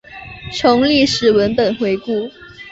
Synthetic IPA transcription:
ʈ͡ʂʰo˧˥ŋli˥˧ʂɻ̩˨˩wə˧˥npə˨˩nxwe˧˥ɪku˥˩

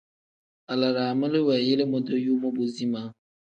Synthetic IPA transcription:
a˨la˨ɾa˨mə˦lɪ˦wɛ˨je˦le˦mɔ˦do˦ju˦mɔ˦bʊ˦zi˦mã˦

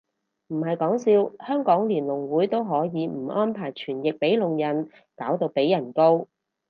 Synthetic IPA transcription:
m̩˨˩ɦɐ˨jkɔː˨˥ŋsiː˧whœː˥ŋkɔː˨˥ŋliː˨˩nlʊ˨˩ŋwuː˨˥jt̪o˥wɦɔː˨˥jiː˨˧m̩˨˩ʔɔː˥npʰaː˨˩jt͡ʃʰyː˨˩njɪ˨k̚pe˨˥jlʊ˨ŋjɐ˨˩n | kaː˨˥wt̪o˧wpe˨˥jːɐ˨˩nko˥w

